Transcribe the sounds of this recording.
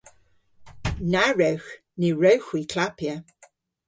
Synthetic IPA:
naɹəwx | niɹowxwiːkʰlapjə

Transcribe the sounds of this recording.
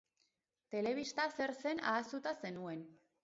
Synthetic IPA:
t̪e̞le̞β̞ist̪ase̞ɾse̞na̰ːst̪ut̪ase̞nue̞n

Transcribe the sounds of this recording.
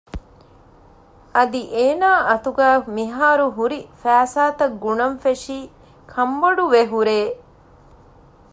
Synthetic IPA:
ɐd̪iʔeːnaːʔɐt̪uɡæːmiɦaːɾuɦuɾifæːsaːt̪ɐɡːunɐmfeʂiː | kʰɐmbɐɖuʋeɦuɾeː

